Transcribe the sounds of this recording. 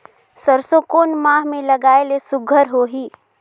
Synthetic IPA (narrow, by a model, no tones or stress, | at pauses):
səɾsokoːnmaːɦmẽlɐɡaːelesʊɡʱəɾɦoɦiː